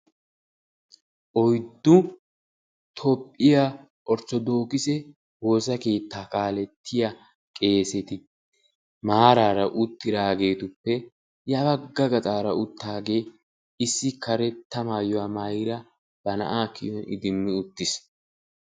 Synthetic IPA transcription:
ʔɔjd̪ːʊ | t̪ʰɔpʼːɪja | ʔɔɾt͡ʃːɔd̪o̞ːkɪsɛ | wo̞ːsɐke̞ːt̪ːaːkʼaːlɛt̪ʰːɪja | kʼe̞ːsɛt̪ɪ | maːɾaːɾɐʔʊt̪ːɪd̪aːɡe̞ːt̪ʊpːɛ | jɐbɐɡːɐɡɐt̪ʼaːɾɐʊt̪ʰːaːɡe̞ː | ɪsːɪkʰɐɾɛt̪ːɐmaːjɔwaːmɐjɾɐ | b̥ɐnɐ̰ʔaːkɪ̰jɔnʔɪ̰d̪ɪmːɪʊt̪ːɪs

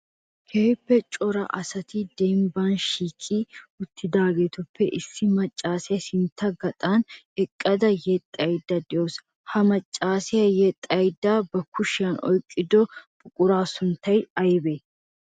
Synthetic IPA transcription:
kʰeːpːɛt͡ʃʼɔɾɐ̰ʔɐsɐt̪ɪd̪ɛmbaːnʃiːkʼːiʊt̪ʰːɪd̪aːɡeːt̪ʊpːɛʔɪsːɪmɐt͡ʃʼːaːsɪjɐsɪnt̪ʰːɐɡɐt̪ʼan | ɛkʼːɐd̪ɐjɛt̪ʼːɐjd̪ːɐd̪ɪjoːs | hɐmɐt͡ʃʼːaːsɪjɐjɛt̪ʼːɐjd̪ːɐbɐkʰːʊʃɪjɐnɔjkʼːɪd̪ɔbʼʊkʼʊɾaːsʊnt̪ːɐjɐjbe

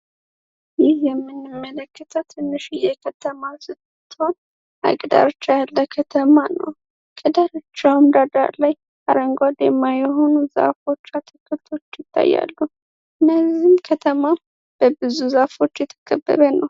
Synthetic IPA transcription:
jɪhjɛmːɨnːɨmːələkʰːət̪ʰəwt̪ʰɨnːɨʃijɛkʰət̪ʰəmasɨt̪ː | t̪ːho̞n | ʔa̰ɡd̪a̰ɾt͡ʃːajalːəkʰət̪ʰəmanə̰w | kʼəd̪aɾɨt͡ʃːawmd̪ad̪a̰ɾlaj | aɾəŋɡʷwad̪ɛmːajɛɦo̞nuza̰fo̞t͡ʃːat̪ʰɨkʰːɨt̪ʰo̞t͡ʃːjɪt̪ʰːa̰jːa̰lːu | ɨnːəzimkʰət̪ʰəma | b̥əbɨzuzafo̞t͡ʃːjɛt̪ʰə̥kʼəbːə̰ɾənəw

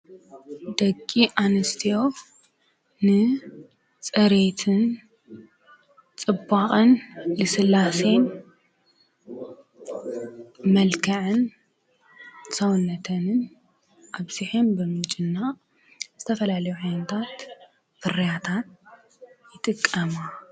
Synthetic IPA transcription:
d̪̥ɐkʼːiʔanɨst̪ʰijo̞ | nɨ | t͡sʼɐɾet̪ʰɨn | t͡sʼɨbːaχʼɨnlɨsɨlːase̞n | mɐlkʰɐʕɨn | sɐwnːɐt̪ʰɐnɨn | ʔaβziħenbɨmɨt͡ʃʼɪnːa | zɨt̪ʰɐfɐlalɐjuʕajnɐt̪ʰat̪ | fɨrɐjat̪ʰat̪ | jɪt̪ʼɨkʼːɐma

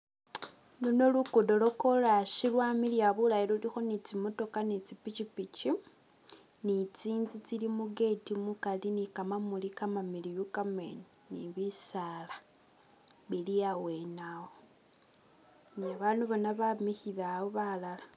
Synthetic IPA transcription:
luno̞lukudo̞lo̞kolaʃilwamilijaβulajilolixo̞nit͡simoto̞kanit͡sipit͡ʃipit͡ʃi | nit͡siːnzut͡silimuɡe̞timukalinikamamulikamamilijukamḛni | niβisaːla | βiliawe̞nawo | niaβaːnduβonaβamihiβaβoβalala

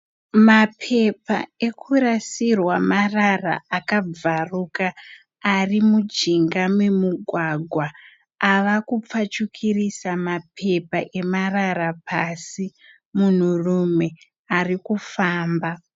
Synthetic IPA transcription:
mapʰe̞pae̞kʰuɾasirwamarara̰akab͡varukaː | rimud͡ʒiŋɡamwemuɡʱwaɡʱwa | aʋakup͡fat͡ʃukʰirisamapʰe̞paʔe̞maraɾapʰasi | mun̤urume̞ | arikufaːmba

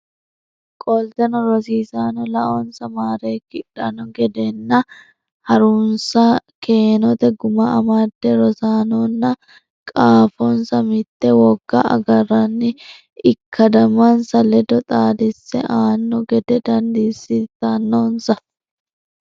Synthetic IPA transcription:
kʼɔlt̪ɛnɔɾɔsiːsaːnɔlɐʔɔnsɐmaːɾeːkːɪᶑɐnɔɡɛd̪ɛnːɐ | hɐɾuːnsɐke̞ːnɔt̪ɛɡʊmɐʔɐmaːd̪ːɛɾɔsaːnɔnːɐ | kʼaːfɔnsɐmɪt̪ːɛwɔɡ̥ːɐɐ̰ɡɐrːɐnːɪ | ɪkʰːɐd̪ɐmɐnsɐlɛd̪ɔt̪ʼaːd̪ɪsːɛ̰ʔaːnːɔɡɛd̪ɛd̪ɐnd̪iːsːɪt̪ːɐnːoːnsɐ

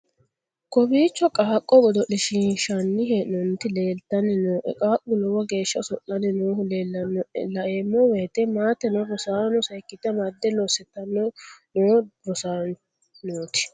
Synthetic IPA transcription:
kɔbiːt͡ʃːɔkʼaːkʼːɔɡɔd̪ɔʔɪʃɪnʃɐnːɪɦɛnɔnt̪ɪleːlt̪ːɐnːɪnoːʔɛ̰kʼaːʔʼʊlɔwɐɡe̞ːʃːɐsɔʔːɐnɪnoːʊleːlːɐnlɐʔeːmːɔweːt̪ɛmaːt̪ːɛnɔɾɔsaːnɔsɐjkːɪt̪ːɐmɐd̪ːɛlosɛt̪ːɐnːɔnoːɾɔsaːn | noːt̪ɪ̥

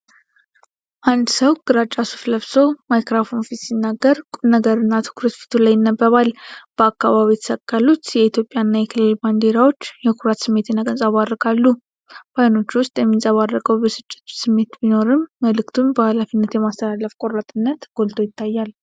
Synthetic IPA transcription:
ʔand̪səwɡɨɾat͡ʃʼːasu̥fləβso̞majkɾafo̞nfit̪sinːaɡːəɾkʼunəɡəɾɨnːat̪ʰɨ̥kʰuɾət̪fi̥t̪ʰulajɪnːəbːəβalb̥əakːaβaβijɛt̪ʰə̥səkʼːalut̪jɛit̪ʰjo̞pʼːjanːajɛkʰɨlɨlband̪e̞ɾawo̞t͡ʃːjɛkʰuɾat̪sɨmːe̞t̪nːaɡʼənsʼaβad̪ːəkʼalːu | b̥ajno̞t͡ʃːwʊst̪ʼjɛmːisʼaβarːəkʼəwbəsɨt͡ʃʼːɛ̥t̪sɨmːe̞t̪bino̞ɾɨmːəlɨkt̪ʰunbəhalafinːət̪jɛmast̪ʰəlaləfkʼo̞ɾat̪ʼɨnːət̪ɡ̥o̞lt̪ʰo̞jɪt̪ʰːajːal

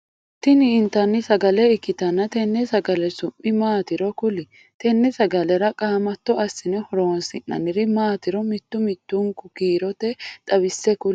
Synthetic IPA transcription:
t̪ɪnɪːnt̪ːɐnːɪsɐɡɐlɛɪkːɪt̪ɐnːɐt̪ɛnːɛsɐɡɐlɛsʊmːɪmaːt̪ɪɾɔkʊlɪ | t̪ɛnːɛsɐɡɐlɛɾɐkʼaːmɐt̪ːɔɐsːɪnɛhɔɾoːnsɪnːɐ̰nɪɾɪmaːt̪ɪɾɔmɪt̪ːʊmɪt̪ːʊŋkʊkiːɾɔt̪ɛt̪ʼɐβɪsːɛkʊl

